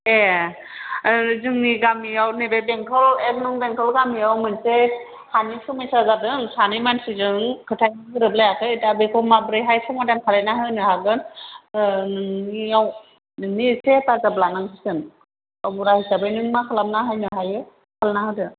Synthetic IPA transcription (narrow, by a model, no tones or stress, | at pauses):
ɛ | zɯŋniɡamiawnibɛbɛŋkʰɔlɛknɯŋbɛŋkʰɔlɡamiawmɯnse | hʰanikʰɯmajsazadɯŋsʰanimansizɯŋkʰɯtʰajaɯɾɯblajakʰɯetabekʰɔmabɾɯjɦajkʰɔmɔdankʰalɛnaɦɯjnɯhaɡɯn | aw | nisɛtazablanaŋsʰisɯn | ɔbuɾahisabenɯŋmakʰalap̚naɦajnɯɦajɯ | kʰalnahɯdɯ